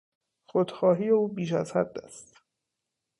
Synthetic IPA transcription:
xod̪xɒːɦiːje̞uːbiːʃæzhæd̪ːæ̰st̪

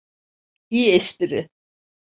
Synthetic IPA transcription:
iːɛsbiɾɪ

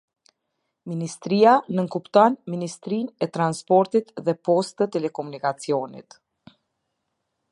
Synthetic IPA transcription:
minist̪ɾianəŋkupt̪ɔnminist̪ɾinɛt̪ɾanspɔɾt̪it̪ðɛpɔst̪ət̪ɛlɛkɔmunikat͡siɔnḭt̪

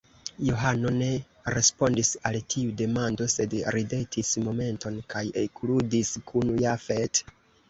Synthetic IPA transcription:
jo̞ɦano̞ne̞ | ɾe̞spo̞ndisaltʰiude̞mando̞se̞dɾide̞tismo̞me̞nto̞nkajekludiskʰunujafet

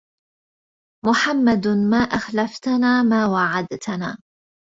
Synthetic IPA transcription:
mʊħamːad̪maːʔaxlaft̪anaːmaːwaʕad̪t̪naː

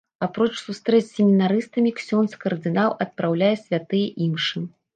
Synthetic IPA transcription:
apɾɔt͡ʂsust̪ɾɛsʲemʲinaɾɨst̪ɐmʲiksʲɔnskɐrd̪ɨnawʔɐt̪̚pɾawlʲajɛsʲvʲat̪ɨjɛʔimʂɨ

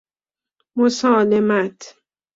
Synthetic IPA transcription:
mosɔːlemat̪ʰ

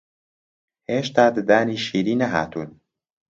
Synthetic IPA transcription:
heːʃt̪ad̪d̪aːniʃiːɾinaɦa̰ːt̪ʰun

